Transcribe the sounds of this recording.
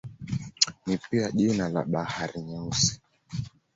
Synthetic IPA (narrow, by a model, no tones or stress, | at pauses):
nipiaʄinala̰ɓahaɾiɲausi̥